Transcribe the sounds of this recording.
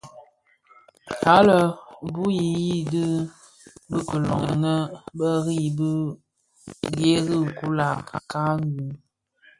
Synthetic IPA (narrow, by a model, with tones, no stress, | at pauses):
ka˨˦lə˨mbu˦ji˨ji˦dɨ˦ | bə˦kə˨lɔ̰˨ŋə̰˨nə˦bə˦ɣi˦˨bə˦ | ɣe˦ɣə˦˨ku˦la˨ka̰˨ka˦ɡu˨˦